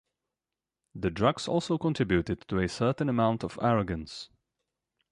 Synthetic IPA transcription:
ðɨdɹʌɡsɔ̰lˠsoʊkə̃ntʰɹ̥ɪbjʉɾɨd̚tʰəɨsɜ˞ʔn̩əmãʊ̃ntʌvæɹəɡɨ̃ns

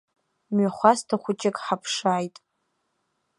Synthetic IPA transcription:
mɥaχʷastʰaχʷʊt͡ʃʼɪkʼħapʰʂaːjtʼ

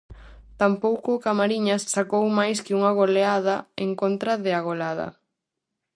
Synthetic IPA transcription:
t̪ampowkʊkamaɾiɲɐssakowmajskɪuŋɐɣ̞oleaðɐeŋkont̪ɾɐðɪaɣ̞olaðɐ̰

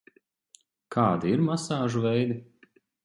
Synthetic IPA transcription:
kʰaːd̪iiɾmasaːʒuvɛjd̪i

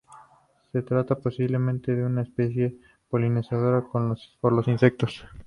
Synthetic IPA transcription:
se̞t̪ɾat̪apo̞siβle̞mẽnt̪e̞ðeunaespe̞s̬je̞ | po̞line̞sað̞o̞ɾakonspoɾlo̞sinse̞k̚t̪o̞s

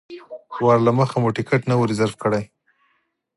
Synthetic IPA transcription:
wɑɾlaməxamuʈɪkeʈnawuɾizaɾfkəɽaj

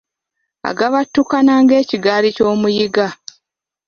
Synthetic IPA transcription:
a̰ɡaβatːukanaːŋɡe̞ːciɡaːlico̞ːmujiɡa

